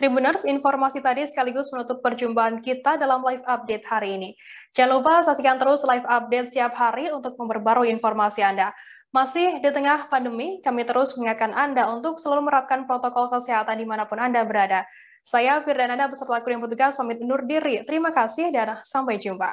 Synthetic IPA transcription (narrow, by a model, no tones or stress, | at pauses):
t̪ɾibunarsinfɔrmasit̪adisə̥kaliɡʊsmənut̪ʊpːərd͡ʒumbaɦankit̪adalamlajfap̚det̪̚haɾiːnid͡ʒalupasasikant̪əɾʊslajfap̚det̪̚siap̚haɾiunt̪ʊk̚məmbərbaɾuinfɔrmasianda | masɪhdit̪əŋahpandəmikamit̪əɾʊsməŋakanʔandaunt̪ʊksəlaluhməɾap̚kanpɾot̪okɔlkəsɛɦat̪andimanapʊnandabəɾada | sajafirdanandabəsərt̪lakujaŋpərt̪uɡaswamɪt̪̚unʊrdiɾit̪əɾimakasɪhdansampajd͡ʒumpa̰